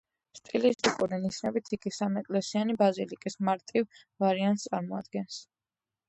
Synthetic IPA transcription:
st̪ʼilist̪ʼikʼuɾiniʃnɛbit̪ʰiɡisamɛkʼlɛsianibazilikʼismaɾt̪ʼiv | vaɾiant̪st̪sʼaɾmɔa̰d̪ɡɛns

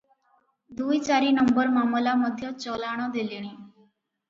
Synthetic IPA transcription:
d̪ujt͡ɕaɾiːnəmbəɾmaməlaməd̪ʱjət͡ɕɔlaɽ̃əd̪eliɽ̃ĩː

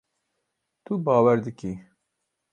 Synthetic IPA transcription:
t̪ubɑːwɛɾd̪ɨkiː

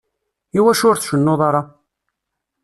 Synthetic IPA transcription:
iwæʃʊɾθʃənːoðˤɑɾˤɑ

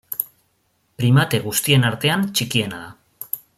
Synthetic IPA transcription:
pɾimat̪e̞ɣ̞ust̪ie̞naɾt̪e̞ant͡ʃikie̞naða

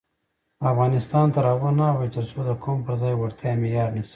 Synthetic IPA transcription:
afɣɑnɪst̪ɑnt̪aɾɑbonawat̪əɾt͡sod̪əkʰompəɾzɑjwaɾt̪jɑmejɑɾnisi̥

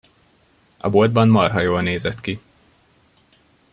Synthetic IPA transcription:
ɒ̰bold̪̚bɒnmɒrɦɒjoːlneːzɛt̪ki

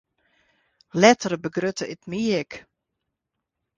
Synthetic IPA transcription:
lɛtərəbəɡrøtəɪtmiək

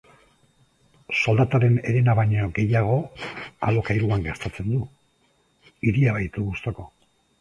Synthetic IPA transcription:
so̞ld̪at̪aɾe̞ne̞ɾenaβaɲoɡe̞jaɣ̞o̞a̰lo̞kajɾuaŋɡeɾt̪at͡se̞nd̪u | iɾiaβajt̪uɣust̪o̞ko̞

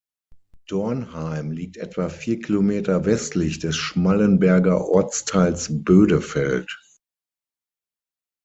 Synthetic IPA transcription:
d̥ɔɐnhaɪmliːk̚tʔɛtv̥afiːɐkʰilomeːtɐvɛstlɪçd̥ɛsʃmalənbɛɐɡɐʔɔɐt͡stʰaɪlsb̥øːdəfɛlt

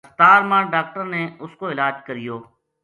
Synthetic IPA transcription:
st̪aːɾmãːɖaːk̚ʈəɾneʊskoɪlaːd͡ʒkəɾɪjoː

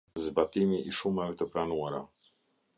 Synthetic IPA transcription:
zbat̪iniʔiʃumavit̪əpɾanuaɾa

